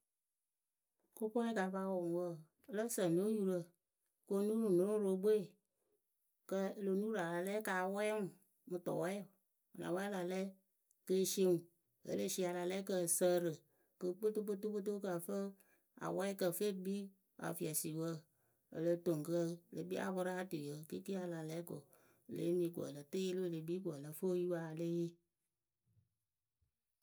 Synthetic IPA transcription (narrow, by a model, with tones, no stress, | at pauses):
ko˦pɔ˦i˦ka˨˦fa˧˦wɔ̃˨wə˦˨ | ə˨lə˦sə˨n˨do˦ju˧ɾə˨ | ko˧˦nũ˦nu˨nõ˨ɾõ˦ɾo˧˦bo˦i˨ | kə˧ə˧lo˧nuː˦la˨la˨lɛ˦kaː˨˦wɛ˦ŋũ˨ | mɨ˨tɔ̰˨wɛ˦ | a˨nã̰˨wa˦la˨lɛ˦ | kə˧˦ʃi˦ŋu˨ | ə̰˨˦le˦ʃi˧˦a˧la˨lɛ˦kə˧˨sə˧˦ɾɨ˨ | kɨ˧k͡po˦to˦k͡po˦tu˦k͡po˦t̬o˦ka˨fə˦ | a̰˨wɛ˦i˦kə˧fe˦bi˦ | a̰˨fi˨ɛ˨si˨wə˦ | ə̰˨lə˧to˨ŋ˨kə˧˦le˨˦bḭ˦a̰˨bɔ˧ɾa˦a˦tɨ˨jə˨˦kɨ˦ki˦a˧la˨lɛ˦ko˨ | lḛ˦nĩː˧˦ɡʷɔ̰˨lə˨tɨ˦je˦lɨ˦˧˨le˨˦biː˦ɡʷɔ˨lə˧fo˦ji˦ba˧˨le˦